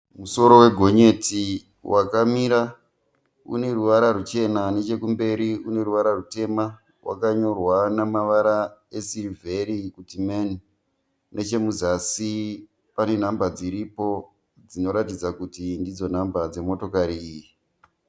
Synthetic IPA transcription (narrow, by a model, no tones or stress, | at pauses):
muso̞ɾo̞we̞ɡʱo̞ɲe̞ti | wʔakamiɾa | ṵne̞ruʋaɾarut͡ʃe̞nane̞t͡ʃe̞kumbe̞ɾiune̞ruʋaɾarute̞ma | wʔa̰kaɲo̞rwanamaʋaɾae̞sirivʱe̞ɾikutimen | ne̞t͡ʃe̞muzasi | pane̞n̤ambad͡ziɾipo̞ | d͡zino̞ɾatid͡zakutindid͡zo̞n̤ambad͡ze̞mo̞to̞kaɾiiːji